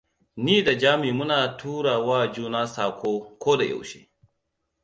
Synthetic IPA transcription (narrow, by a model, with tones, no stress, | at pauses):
niː˦da˨d͡ʒaː˦miː˨mʊ˦naː˨tʰuː˦ɽaː˨waː˦d͡ʒuː˦naː˦saː˨kʷʰoː˦kʷoː˦da˨ja̰˨wʃḛː˦